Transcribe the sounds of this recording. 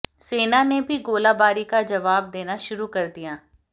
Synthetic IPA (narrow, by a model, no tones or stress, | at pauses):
seːnaːnebʱiɡoːlaːbaːɾiːkad͡ʒəʋaːb̚d̪eːnaʃʊɾuːkəɾd̪ijaː